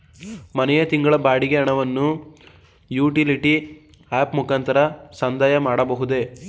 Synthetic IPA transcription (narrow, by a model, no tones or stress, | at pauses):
mɐnɛjɐt̪iŋɡɐɭɐbaːɽiɡeɐɳɐʋɐnːu | juːʈiliʈi | aːpmukant̪ɐɾɐsɐnd̪aːjɐmaːɽɐbɐɦud̪e̞